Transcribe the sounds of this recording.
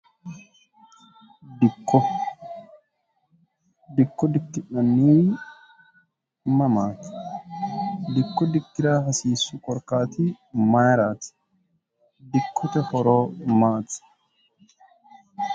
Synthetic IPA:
d̪ɪkːɔ | d̪ɪkːɔd̪ɪkːɪᶑɐnːiː | mɐmaːt̪ɪ̥ | d̪ɪkːɔd̪ɪkːɪɾaːɦɐsiːsːʊkʼɔɾkaːt̪ɪ | majɾaːt̪ | d̪ɪkːɔt̪ɛhɔɾoːmaːt̪

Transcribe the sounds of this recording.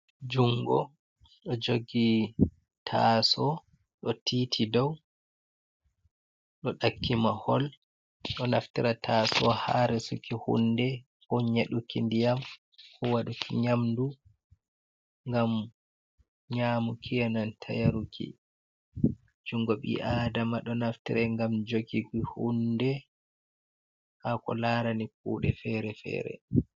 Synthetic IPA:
d͡ʒuŋɡɔ | ɗɔd͡ʒoɡi | tʰasɔ | ɗɔtiːtʰidɔw | ɗɔɗakʰːimahɔl | ɗɔnaftiɾatʰasɔhaɾɛsukihṵndɛ | kɔɲeɗukindijam | kʰɔwaɗukʰiɲamdu | ŋɡam | ɲaːmukʰijanantʰa̰jaɾukʰḭ | d͡ʒuŋɡɔɓḭʔadamaɗɔnaftiɾɛŋɡamd͡ʒoɡiɡihundɛ | hakɔ̰laːɾanip̚ṵːɗɛ̰fɛɾɛfɛ̰ːɾɛ̰

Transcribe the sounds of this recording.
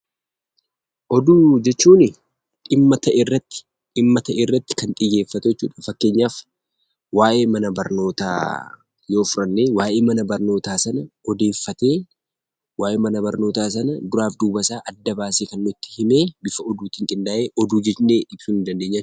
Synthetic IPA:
ʔɔd̪uːd͡ʒɛt͡ʃːuːnɪ | ᶑɪmːɐt̪ʰɐʔɪrːɐt̪ːɪ̥ | ᶑɪmːɐt̪ɐʔeːrːɐt̪ːɪ̥kɐnt̪ʼɪje̞ːfːɐt̪ɛjɛt͡ʃːuːᶑɐfɐkːe̞ːɲːaːf | waːʔe̞ːmɐnɐbɐɾno̞ːt̪a̰ː | jo̞ːfʊɾɐnːeːwaːʔeːmɐnɐbɐɾno̞ːt̪aːsɐnɐɔd̪e̞ːfːɐt̪e̞ː | waːʔeːmɐnɐbɐɾno̞ːt̪aːsɐnɐd̪ʊɾaːfd̪uːbɐsaːʔɐd̪ːɐbaːseːkɐnːʊt̪ːɪ̥hɪme̞ːbɪfɐɔd̪uːt̪ɪŋkʼɪnd̪aːʔe̞ːʔɔd̪uːd͡ʒɛnːeːɪb̥suːnɪnd̪ɐnd̪eːɲːa

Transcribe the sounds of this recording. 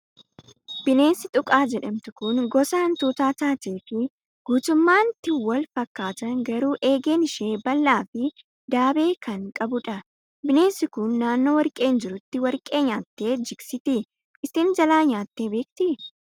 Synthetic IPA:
b̥ɪne̞ːnsɪt̪ʼʊkʼaːd͡ʒɛᶑɐmt̪ʊkʊnɡɔsaːnt̪uːt̪aːt̪aːt̪eːfɪ | ɡ̥uːt̪ʊmːaːnt̪ɪwɐlfɐkːaːt̪ɐnɡɐɾuːʔe̞ːɡe̞ːnɪʃeːbɐlːaːfɪ | d̪aːbe̞ːkɐŋkʼɐbʊᶑɐ | bɪne̞ːnsɪkʊnːaːnːo̞ːwɐɾkʼe̞ːnd͡ʒɪɾʊt̪ːɪwɐɾkʼe̞ːɲaːt̪ːe̞ːd͡ʒɪksɪt̪ɪ | ɪsiːnd͡ʒɐlaːɲaːt̪ːe̞ːbe̞ːk̚t̪ɪ

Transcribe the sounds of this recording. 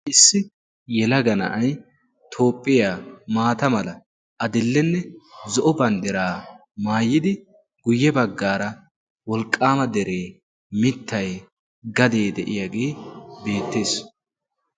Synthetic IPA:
ʔɪsːɪ | jɛlɐɡɐnɐ̰ʔɐj | t̪ʰo̞ːpʼːɪjaːmaːt̪ɐmɐlɐ | ʔɐd̪ɪlːɛnːɛzɔʔɔbɐnd̪ɛɾaː | maːjːɪd̪ɪ | ɡ̥ʊjːɛbɐɡːaːɾɐ | wɔlkʼːaːmɐd̪ɛɾe̞ː | mɪt̪ːɐj | ɡɐd̪e̞ːd̪ɛʔɪjaɡeːbe̞ːt̪ːe̞ːs

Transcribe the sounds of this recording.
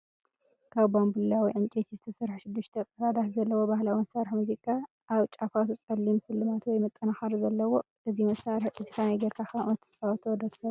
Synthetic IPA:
kʰaβbambɨlːawɔjʕɨnt͡ʃʼet̪ʰizɨt̪ʰɐsɐɾħʃɪd̪ːɨʃt̪ʰɐkʼɐɾad̪aħzɐlːɐwobahlawimɐsaɾħmuzikʼa | ʔaβt͡ʃʼafat̪ʰut͡sʼɐlːimsɨlːɨmat̪wɔjmɐt̪ʼːɐnaxaɾzɐlːɐwo̞ | ʔɨzimɐsaɾħʔɨzikʰanɐjɡɐɾkʰaxaʔot̪ʰːɨ̥sfawt̪ʰɐwd̪ɐt̪ʰfɐ

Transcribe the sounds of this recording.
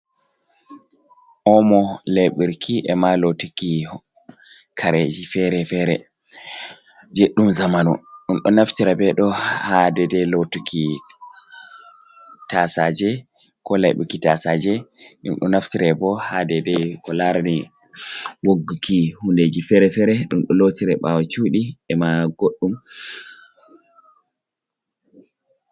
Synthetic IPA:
ʔɔmɔleɓiɾkʰiʔɛmalotiki | kʰaɾed͡ʒifɛɾɛfɛɾɛ | d͡ʒeɗːumzamanṵɗumɗɔnaftiɾabɛɗɔhadɛdɛlotukʰi | tasad͡ʒɛ | kɔlajɓṵkitasad͡ʒɛɗṵmɗɔ̰naftiɾɛbɔhadɛdɛkɔlaɾani | woɡːukʰihunded͡ʒifɛɾɛfɛɾɛɗumɗɔlotiɾɛɓawat͡ʃuːɗiɛmaɡoɗːum

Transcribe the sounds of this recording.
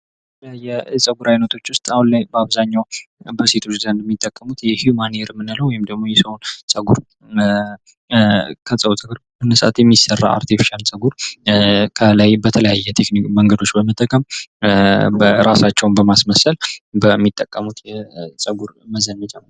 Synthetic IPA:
bbəət̪ʰələjajːɛsʼəɡuɾajnət̪ʰo̞t͡ʃːwʊst̪ʼahunlajbəaβzaɲːawbəse̞t̪ʰot͡ʃːzənd̪ɛmːit̪ʼːəkʼːəmut̪jɛhjumaneɾmːɨnaləwɔjɪmd̪əɡmo̞jɛsəwonsʼəɡuɾ | kʰəsʼəwt̪ʼəɡɨɾmɨnːəsəʔa̰t̪jɛmːisərːa̰ʔa̰ɾt̪ʰifʃansʼəɡuɾ | kʰəlajbət̪ʰələjajːɛt̪ʰekniməŋɡəd̪o̞t͡ʃːbəmət̪ʼːəkʼəm | bɾasat͡ʃːɛwnbəmasməsəlbəmːit̪ʼːəkʼːəmut̪ʰjɛsʼəɡuɾməzənəd͡ʒʼam

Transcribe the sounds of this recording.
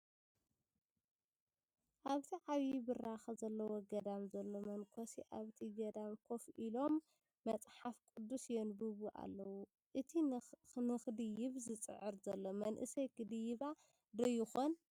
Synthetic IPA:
ʔaβt̪ʰiʕaβibɨraxɐzɐlːɐwoɡɐd̪amzɐlːo̞mɐnkʰosiʔa̰βt̪ʰiɡɐd̪amkʰo̞fʔilo̞mː | ɐt͡sʼħafkʼɨd̪ːusjɛnbɨβuʔa̰lːɐwu | ʔɨt̪ʰinɨxɨd̪ɨjɪβzɨt͡sʼɨ̰ʕɨɾzɐlːomɐnʔɨ̰sɐjkɨd̪ɨjɪβa | d̪ɐjɪxon

